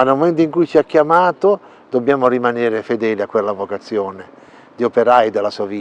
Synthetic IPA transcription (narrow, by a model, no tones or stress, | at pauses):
anːelmoment̪oiŋkujt͡ʃiakːjamaːt̪o | d̪̥objaːmorimanɛːɾefed̪ɛːliakːwelːavokat̪sːjɔːne | d̪iopeɾajd̪elːasuaviː